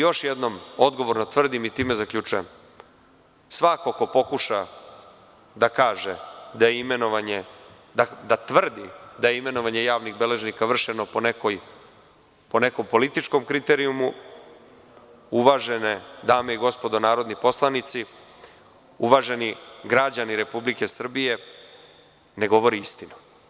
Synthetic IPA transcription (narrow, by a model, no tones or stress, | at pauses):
jo̞ʃjed̪no̞mo̞d̪ɡo̞ʋo̞ɾnot̪ʋr̩d̪imit̪iːme̞zakʎʲuːt͡ʃujḛm | sʋako̞ko̞po̞kuʃa | d̪akaːʒed̪ajeimenoʋaɲe | d̪ad̪at̪ʋr̩d̪id̪ajeime̞noʋaɲe̞jaːʋniɣbele̞ʒnikaʋr̩ʃeno̞ponekoj | po̞ne̞ko̞mpo̞lit̪it͡ʂko̞mkɾit̪eɾiumu | uʋaʒened̪aːmeiɡo̞spo̞d̪onaːɾo̞d̪nipo̞slˠanit̪si | uʋaːʒe̞niɡɾad͡ʑaniɾe̞publike̞sr̩bije̞ | ne̞ɡo̞ʋo̞ɾiist̪inu̥